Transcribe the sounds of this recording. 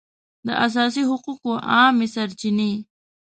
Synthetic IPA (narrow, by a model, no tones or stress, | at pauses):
d̪ə̰ʔas̬ɑːs̬iɦʊquqoʔɑːmisɐɾt͡ʃini